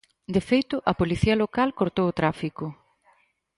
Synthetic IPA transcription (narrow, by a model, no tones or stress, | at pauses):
d̪efejt̪ʊʔɐpoliθiɐlokalkoɾt̪owot̪ɾafikʊ